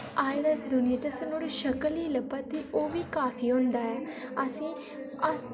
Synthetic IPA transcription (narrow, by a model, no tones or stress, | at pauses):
aːed̪aːɪsd̪ʊnɪjaːt͡ʃəsənoːɾiʃəkəliːləbət̪ːiːʔoːʋiːkaːpʰiːɦʊ̃nd̪aːɛːəsĩː | əs